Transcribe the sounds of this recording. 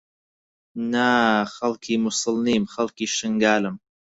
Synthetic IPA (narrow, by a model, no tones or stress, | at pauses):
naxɐlkʰiːmʊsɨlniːmxɐlkiːʃɨŋɡaːlɨm